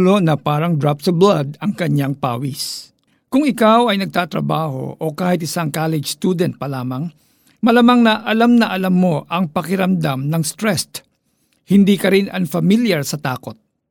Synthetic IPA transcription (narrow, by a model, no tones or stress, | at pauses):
lonɐpaːɾɐŋd̪ɾap̚sɐblad̪ɐŋkɐɲːaŋpa̰ːwis | kʊŋɪkawɐjnɐɡ̚t̪aːt̪ɾɐ̰baːho̞̰ʔokaːhɪt̪̚ɪsaŋkaːlɛd͡ʒst̪uːd̪ɛnt̪̚pɐlaːmɐŋ | mɐlamaŋnɐʔɐlamnɐʔɐlamːo̞ʔɐŋpɐkɪɾɐmd̪amnɐŋst̪ɾɛst̪ | hɪnd̪ikɐɾɪnɐŋfɐmiljɐɾsɐt̪aːko̞t̪̚